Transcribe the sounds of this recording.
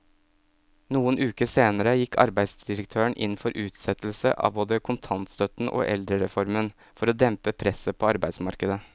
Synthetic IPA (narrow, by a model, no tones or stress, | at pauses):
nuːənʉːkəseːnəɾəjɪkːʰɑ̰ɾbæɪsd̪ɪɾək̚t̪ʰøːəɳʔɪ̰n̩ːfɔɾʔʉːt̪sɛt̪l̩sə̰ʔɑ̰ːʋboːd̪əkʰʊnt̪ʰɑnt̪st̪œt̪n̩ʔo̰ːʔɛ̰ld̪ɾəɾɛfɔɾmən | fɔɾoːd̪ɛmpəpʰɾɛsəpʰoːɑɾbæɪsmɑɾkəd̪ə